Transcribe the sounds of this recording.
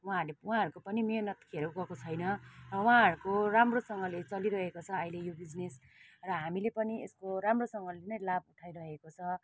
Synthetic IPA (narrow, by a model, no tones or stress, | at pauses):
wãɦʌrlewũãɦʌɾukopʌnimejnʌt̪kʰʌɾuɡʌkot͡sʰʌjnʌrʌwaɦʌɾukoramrosʌŋɡʌlet͡sʌliɾʌɦekot͡sʰʌʌjlejobid͡znes | rʌɦamilepʌniḛskoɾamrosʌŋɡʌlenʌjlabuʈʰajɾʌɦekot͡sʰʌ